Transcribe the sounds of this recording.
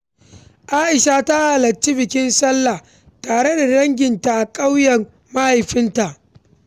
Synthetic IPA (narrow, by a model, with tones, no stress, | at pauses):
ʔaː˦ʔɪ˨ʃa˨ta˦haː˨lɐ˨t͡ʃːi˦bɪ˨kʲɪ˦nsɐ˦lːa˨ | taː˨ɽe˦da˨ɽɐ˦ŋɡʲɪ˨nta˨ʔa˨kʼa˦wjɐ˨r | ma˦ha˨jɸɪ˦nta˨ʔ